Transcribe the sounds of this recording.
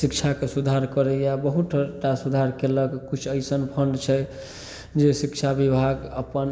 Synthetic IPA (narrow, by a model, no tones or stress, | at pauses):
sikt͡ʃʰakesud̪ʱaɾkəɾɛjabəɦuʈʰəʈasud̪ʱaɾkeləɡkut͡ʃʰəɪsənpʰəɳɖt͡ʃʰɛ | d͡ʒesikt͡ʃʰabibʱaɡəpən